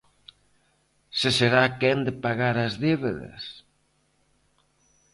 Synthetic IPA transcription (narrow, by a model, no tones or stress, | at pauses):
seseɾakɛnd̪epaɣaɾazðeβeðɐ̰s